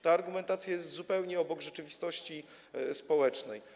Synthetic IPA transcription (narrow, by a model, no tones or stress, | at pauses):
t̪aːɾɡumɛnt̪at̪sʲjajɛst̪zupɛwɲɛɔbɔɡʐɛt͡ʂɘvʲist̪ɔɕt͡ɕi | spɔwɛt͡ʂnɛ̰j